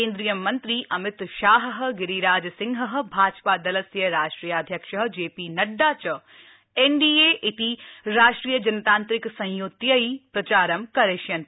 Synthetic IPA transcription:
ẽːnd̪ɾijɐmɐ̃nt̪ɾiʔɐmɪt̪ʃaːɦəɦɡɪɾiɾaːd͡ʒsɪ̃ŋɡɦəɦ̆bʱaːd͡ʒpad̪ɐlɐsjɐɾaːʃʈɾiːjaaːd̪ʱjɐkʃəɦ̆d͡ʒeːpinɐɖːaːt͡ʃɐ | eːɳɖiːeʔit̪iɾaːʃʈɾiːjɐd͡ʒɐnɐt̪ãːnt̪ɾɪksɐ̃j̃joːt̪jɐipɾɐt͡ʃaːɾɐmkɐɾeːʃjɐn

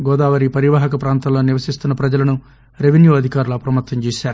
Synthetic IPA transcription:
ɡɔːd̪aːʋɐɾipɐɾiʋaːɦɐkɐpɾaːnt̪ɐloːniʋɐsist̪unːɐpɾɐd͡ʒɐlɐnu | ɾeʋinjuːɐd̪ʱikaːɾulɐɐpɾɐmɐt̪ːɐɲt͡ʃeːʃaːɾu

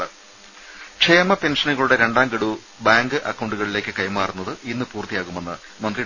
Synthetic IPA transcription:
ɨ | ʂʰejɐmɐpe̞nʂɐnuɣɐɭuɽe̞ɾe̞ɳɖaːmɡiɽu | baːŋɡɨʔɐkːɐwɳɖuɣɐɭile̞ːkʲːɨkɐjmaːrunːɐðɨʔinːɨpuːrt̪ijaːɣume̞nːɨ | mɐnd̪ri

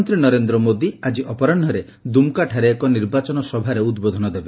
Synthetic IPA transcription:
nt̪ɾinɔɾend̪ɾɔmod̪iad͡ʒiʔɔpɔɾɔɳɖʱɔɾe | d̪umkaʈʰaɾeːkɔniɾbat͡ʃɔnɔsɔbʱaɾeud̪bod̪ʱɔnɔd̪ebe

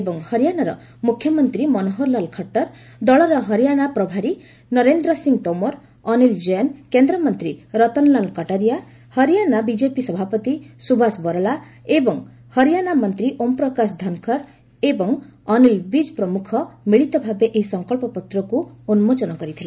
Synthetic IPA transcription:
ebɔŋhʌɾijanaɾɔ̰ | mukʰjɔmʌnt̪ɾimɔnoɦɔɾlalkʰɔʈːɔɾ | d̪ɔɭɔɾɔɦʌɾijanapɾɔbʱaɾi | nʌɾend̪ɾɔsiŋt̪ɔmɔɾ | ɔnild͡ʒɔankend̪ɾɔmʌnt̪ɾiɾɔt̪ɔnlalkɔʈaɾija | hʌɾijanabid͡ʒepisʌbʱapɔt̪isubʱasbɔɾɔlaebɔŋ | hʌɾijanamʌnt̪ɾiʔompɾɔkasd̪ʱɔnkʰɔɾ | ebɔŋɔnilbid͡ʒpɾɔmukʰɔmiɭit̪ɔbʱabeʔeɦisʌŋkɔɭpɔpɔt̪ɾɔkuunumod͡ʒɔnɔkɔɾit̪ʰila

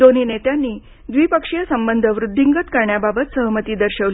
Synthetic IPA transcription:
d̪oniːnet̪janːiː | d̪ʋiːpəkʂijəsəmbənd̪ʱəʋɾud̪ʱːiŋɡət̪kəɾɳjababət̪səɦəmət̪iːd̪əɾɕəʋli

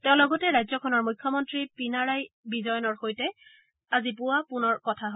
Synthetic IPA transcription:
tɛʊ̃lɔɡɔtɛɹajzɔkʰɔnɔɹmujkʰjɔmɔntɹipinaɹajbizɔjɔnɔɹxojtɛ | azipʊwapʊnɔɹkɔtʰaɦo

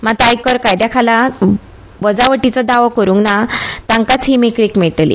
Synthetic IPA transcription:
mat̪ajkəɾkajd̪jakʰala | bəd͡zaʋəʈit͡sɔd̪aʋɔkəɾũŋɡnat̪ãŋkat͡sɦimikɭikmɛɭʈlḭ

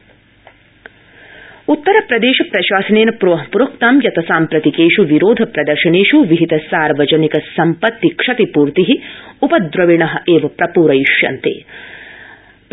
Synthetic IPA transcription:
ut̪ːɐɾɐpɾɐd̪eːʃɐpɾɐʃaːsɐneːnɐpɾʋɐɦpuɾokt̪aːmjɐt̪ɐsaːmpɾɐt̪ikeːʃuʋiɾoːd̪ʱɐpɾɐd̪ɐɾʃɐneːʃuʋiɦit̪ɐsaːɾʋɐd͡ʒɐnikɐsɐmpɐt̪ːikʂɐt̪ipuːɾt̪iɦiupɐd̪ɾɐʋiɳɐɦɐ̆ʔeːʋɐpɾɐpuːɾɐjiʃjɐ̰nt̪ḛː

